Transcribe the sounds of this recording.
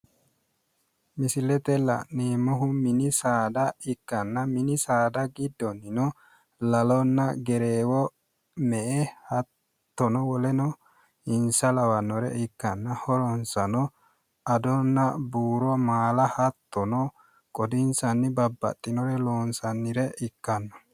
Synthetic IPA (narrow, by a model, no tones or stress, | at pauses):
mɪsɪlɛt̪ɛlɐ̰ʔneːmɔɦʊmɪnɪsaːd̪ɐɪkːɐnːɐmɪnɪsaːd̪ɐɡɪd̪ːɔnːɪnɔ | lɐlɔnːɐɡɛɾeːwɔ | mɛʔɛhɐtt̪ː | ɔnɔwɔlɛnɔ | ɪnsɐlɐwɐnːɔɾɛ̰ʔɪkːɐnːɐhɔɾɔnsɐnɔ | ɐd̪ɔnːɐbuːɾɔmaːlɐhɐt̪ːɔnɔ | kʼɔd̪ɪnsɐnːɪbɐbːɐ̰t̪ʼːɪnɔɾɛloːnsɐnːɪɾɛʔɪkːɐnːɔ̥